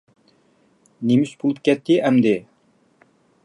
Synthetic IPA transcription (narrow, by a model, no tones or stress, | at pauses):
nemyʃbolˠup̚kʲʰɛt̪ʰːɪʔɛmd̪ɪ